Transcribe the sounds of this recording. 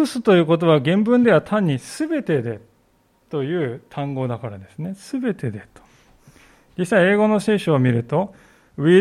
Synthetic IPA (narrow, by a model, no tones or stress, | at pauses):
ɯ̟sɨ̥t̪o̞jɯ̟ːko̞t̪̬o̞βaɡẽ̞mbɯ̟̃nd̪e̞βat̪ʰãɲ̟ːisɨbe̞t̪e̞d̪e̞ | t̪o̞jɯ̟ːt̪ʰãŋɡo̞ːd̪akaɾad̪e̞sɨne̞sɨbe̞t̪e̞d̪et̪o̥ | d͡ʑisːaie̞ːɡo̞no̞se̞ːɕoːmʲiɾɯ̟t̪o̞ | ɯi